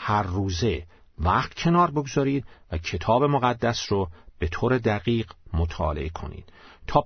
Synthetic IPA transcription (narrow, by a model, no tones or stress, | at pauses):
hæɾːuːze̞ | væχt̪cʰe̞nɒːɾboɡzɒːɾiːd̪̥væcʰe̞t̪ʰɒːbe̞moɣæd̪ːæsɾob̥e̞t̪ʰoːɾe̞d̪æɣiːɢmot̪ʰɒ̰ːlḛʔekʰo̞̰nḭːd̪̥t̪ʰɒː